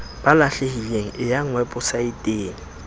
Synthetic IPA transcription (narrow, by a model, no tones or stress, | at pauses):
b̥alaɬehileŋ̩ʔɪjaŋ̩wɛpʼʊsaɪtʼeːŋ̩